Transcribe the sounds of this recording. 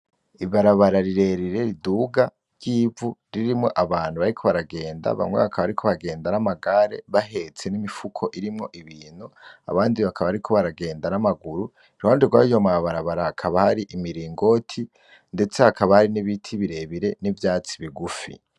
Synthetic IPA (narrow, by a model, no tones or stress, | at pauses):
iβaɾaβaɾaɾiɾe̞ɾiɾe̞ɾiduːɡa | ɾɟiːvuɾiɾimŋo̞ʔaβaːn̥huβaɾikʰo̞βaɾaɡe̞ːnda̰βa̰mŋe̞̰βakʰaβaɾikʰo̞βaɡe̞ːndanamaɡaɾe̞̰βahe̞t͡se̞nimifukʰo̞ʔiɾimŋo̞ʔiβiːn̥hua̰βaːndiβakʰaβaɾikʰo̞βaɾaɡe̞ːndanamaɡuɾu | iɾoːndiɡwaijomaβaɾaβaɾaakʰaβahaɾiʔimiɾiːŋɡo̞tʰi | nde̞t͡se̞hakʰaβahaɾiniβitʰiβiɾe̞βiɾe̞nivjaːt͡si̥βiɡufḭ